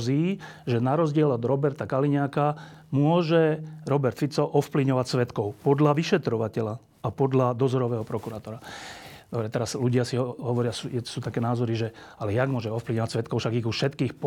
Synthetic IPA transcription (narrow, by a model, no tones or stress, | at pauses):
ziːʒɛnaɾɔzɟɪɛlɔd̪ɾɔbɛɾt̪akaliɲakamʊɔʒɛɾɔbɛɾt̪fit͡sɔʔɔfpliɲɔʋacsʋɛt̪kɔʊpɔd̪laʋiʃɛt̪ɾɔʋacɛla | apɔd̪lad̪ɔzɔɾɔʋɛːɦɔpɾɔkuɾaːt̪ɔɾad̪ɔbɾɛt̪ɛɾasluɟɪasiɦɔɦɔʋɔɾɪasujɛ̥suːt̪akɛːnaːzɔɾiʒɛalɛjaɡmʊɔʒɛɔfpliʋɲɔʋacsʋɛt̪kɔʊʃaɡiɣuʃɛt̪kiːxp